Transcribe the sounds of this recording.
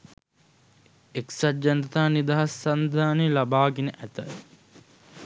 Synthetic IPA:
eksad͡ʒɐnt̪aːnid̪aɦasːand̪ʱaːnelabaːɡenəʔæt̪ə

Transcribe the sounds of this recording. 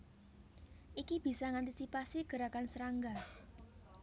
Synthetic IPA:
ʔikib̥i̤saŋant̪isipasiɡ̥ə̤ɾakansəɾaŋɡa

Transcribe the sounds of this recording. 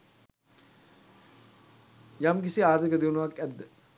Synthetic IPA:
jamk̬isiaːɾt̪ʰikəd̪iwnuʋakːɛd̪ːə

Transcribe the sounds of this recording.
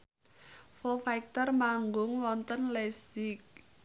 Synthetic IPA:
fɔlfajk̚t̪ərmaŋɡʊŋwɔnt̪ənlɛsik̚

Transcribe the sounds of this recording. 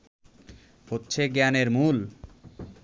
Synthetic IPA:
hotːɕʰeɡɛneɾmul

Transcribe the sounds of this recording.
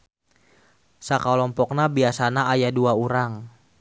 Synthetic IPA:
sakalɔmpɔk̚nabiasanaajaduauɾaŋ

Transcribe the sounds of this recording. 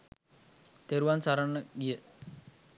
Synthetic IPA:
t̪eɾuʋansaɾanːəɡijə

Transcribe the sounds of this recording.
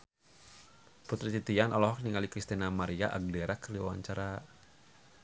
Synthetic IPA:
put̪ɾit̪it̪ianɔlɔɦɔk̚niŋalikɾist̪inamaɾiaʔaɡ̚dɛɾakəɾiwawa̰ɲt͡ʃaɾa

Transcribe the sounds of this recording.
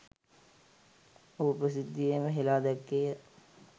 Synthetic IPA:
ʊpəsɪd̪ʱːijemẽɦɪlad̪əkːe

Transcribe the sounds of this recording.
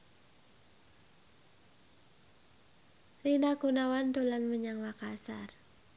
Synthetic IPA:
rinaɡonawant̪olanməɲaŋwakasa̰r

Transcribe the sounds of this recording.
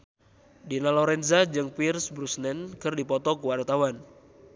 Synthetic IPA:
dinalɔɾɛnzad͡ʒɨŋpirsbɾusnɛnkɨrdipɔt̪ɔkuwart̪awan

